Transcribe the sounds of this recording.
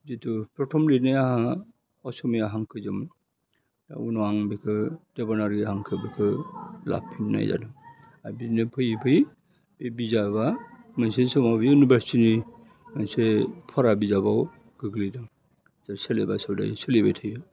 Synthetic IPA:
zitʰupɾɔtʰɔmlinajaha | ɔsɔmijaɦaŋkʰɯzɯm | d̥a̰unɔaŋbekʰɯd̥ebɔnaɾɡiɦaŋkʰɯbɯkʰɯla̰pʰːinːa̰jza̰dɯm | abidnɯpʰɯjpʰɯj | b̥ebizaβamɯnsesɯmabiunubasini | mansepʰɔɾabizabaw | ɡ̥ɯɡlidɯm | zaɾseleba̰sɔwda̰jselibatʰɯjɯ

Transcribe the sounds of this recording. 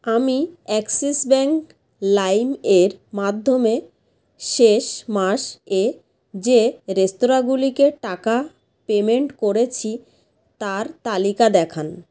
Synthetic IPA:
amiɛksesbɛŋk | lajmeɾmad̪ʱːome | ʃeʃmaʃe | d͡ʑeɾest̪oɾaɡulikeʈaka | pemeɳʈkoɾet͡ɕʰi | t̪aɾt̪alikad̪ɛkʰan

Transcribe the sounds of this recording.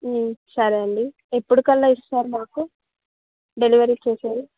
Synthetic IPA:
sɐɾɐɳɖi | epːuɽukɐlːaissaːɾumaːku | ɖe̞liʋɐɾit͡ʃeːsaːɾu

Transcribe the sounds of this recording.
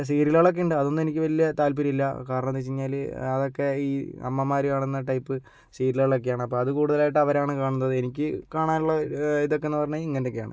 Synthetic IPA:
siːɾiloɭok̬ːeuɳɖɨɐðo̞nːɨe̞nikʲːɨʋɐlijɐt̪aːlp̬iɾiilːɐkaːɾɐɳɐmt̪et͡ɕːiɲːaːlɐðo̞kːe̞iːɐ̰mːɐmaːɾikaːɳenːɐʈɐjpːɨ | siːɾiloɭokːejaːɳɨɐpːoːɐðɨkuːɽuðɐlaːjiʈːɨɐʋɐɾaːɳɨkaːɳunːɐðɨenikʲːɨkaːɳaːnuɭːɐiðo̞kːenːɨpɐrɐɲːɐiŋːɐnokːeaːɳɨ̰

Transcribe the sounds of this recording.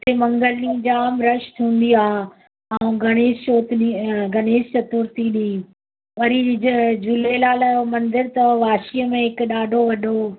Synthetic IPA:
t̪ʰemɐ̃ŋɡəlnĩd͡ʑaaːmɾɐʃt̪ʰũːn̆d̪iaː | aːũɡɐɽ̃eːst͡ɕoːt̪ɗiɡɐneːst͡ɕɐt̪ʊɾt̪iɗii | ʋɐɾid͡ʑʊlelaːlajomɐ̃nd̪əɾt̪ɐʋaːʃijəmẽɦɪkɗaːɖʱoʋɐɗʱo

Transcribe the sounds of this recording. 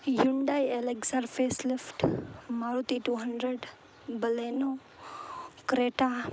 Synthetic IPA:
juɳɖajeleksaɾfʰeːslɪfʈmaɾut̪iʈuːɦəɳɖɾeɖ | bəleno | kɾeːʈa

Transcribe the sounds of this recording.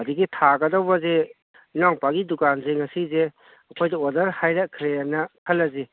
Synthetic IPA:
ɐdiɡitʰaɡɐdɐwbɐze | naŋpaɡidukanzeŋɐsize | ɐkʰojdɐodɐɾhajɾakʰɾeanɐkʰɐlːɐzi

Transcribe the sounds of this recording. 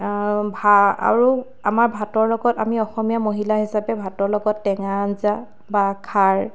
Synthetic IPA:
bʱaa̰ɹu | amaɹbʱatɔɹlɔɡɔtamiɔxɔmijamoɦilaɦisapɛbʱatɔɹlɔɡɔtːɛŋanza | bakʰaɹ

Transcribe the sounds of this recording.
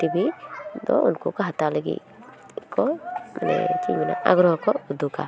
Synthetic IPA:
t̪ibid̪ɔunkukaɦat̪aleɡḭ | kɔmanɛ̰t͡ʃimina̰ʔa̰ɡɾɔɦɔkɔɡud̪uka

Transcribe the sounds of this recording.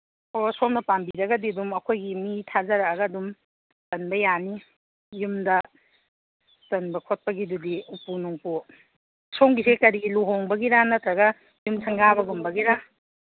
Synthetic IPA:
osoŋnɐpambiɾɐɡɐdiɐdumɐkʰojɡimitʰazɐɾɐɡɐːdum | tɐnbɐjani | jumdɐ | tɐnbɐkʰot̚pɐɡidudiupunuŋpu | soŋɡisekɐɾiɡiluɦoŋbɐɡiɾanɐtɾɐɡɐ | jumsʰɐŋɡaβɐɡumbɐɡiɾa

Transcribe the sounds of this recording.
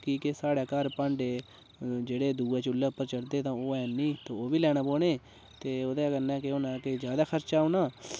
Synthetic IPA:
kiːkesaːɽaːkəɾpãːɳɖeː | d͡ʒeːɽeːd̪uːeːt͡ʃʊlːeːʊpːəɾt͡ʃəɽd̪eːt̪ãːoːɛːnĩːt̪ãːoːʋiːlɛːɽ̃ãːpoːɳeː | t̪eːoːd̪eːkəɾnɛ̃ːkeoːnãːked͡ʒjaːd̪aːkʰəɾt͡ʃaːunaː

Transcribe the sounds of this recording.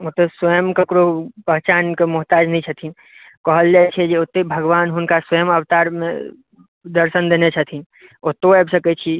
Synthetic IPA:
ot̪əsəjəmkəkɾopəɦt͡ʃankemʊɦt̪aːd͡ʒnəĩt͡ʃʰət̪ʰin | kəɦəld͡ʒat͡ʃʰɛd͡ʒeot̪ːebʱəɡʋaːnɦʊnkaswəjəməwt̪aɾmḛ | d̪əɾsənd̪enet͡ʃʰət̪ʰin | ot̪ːoɛbsəkɛt͡ʃʰi

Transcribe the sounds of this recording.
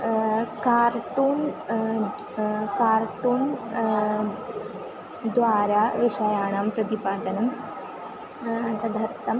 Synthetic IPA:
kaːɾʈuːn | kaːɾʈuːn | d̪ʋaːɾaʋiʂɐjaːɳampɾɐd̪ipaːd̪ɐnɐm | ɐt̪ʰɐd̪ʱɐɾt̪ɐm

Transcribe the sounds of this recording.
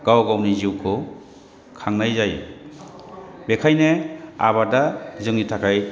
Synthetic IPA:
ɡ̥awɡawniziwkʰɯ | kʰaŋnajzaj | bekʰajnea̰βadazɯŋitʰakʰaj

